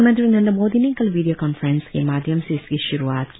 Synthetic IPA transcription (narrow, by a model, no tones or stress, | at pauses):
mɐ̃nd̪ɾinɐnd̪ɐmoːd̪iniŋkɐlʋiːɖijokanfɾenskemaːd̪ʱjɐmseɪskiʃʊɾuaːt̪k